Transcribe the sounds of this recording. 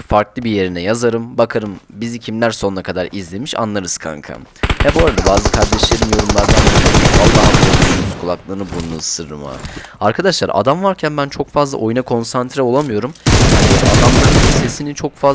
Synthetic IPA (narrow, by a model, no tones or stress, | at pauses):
faɾklˠɯbije̞ɾinɛjazaɾɯmbakʰaɾɯmbizicʰimlʲæɾso̞nunakʰad̪aɾizlʲe̞miʃa̰nlːˠaɾɯz̥kʰa̰ŋkʰa̰ | hɛbo̞ːɾad̪abaːzɯkʰaɾd̪ɛʃlʲeɾimjo̞ɾumlˠaɾd̪and̪alˠːaːɦaad̪uʃunuzkʰulˠaklˠanɯbunusɯɾɯ̰ɾɯma̰aɾkʰad̪aʃlˠaɾa̰d̪amvaɾcʰænbænt͡ʃʰo̞kfazlˠa̰ʔojunakʰo̞nsant̪ʰɾɛo̞lˠamɯjo̞ɾumjaɛd̪a̰d̪amlˠaɾmʰaisesinint͡ʃʰo̞kfa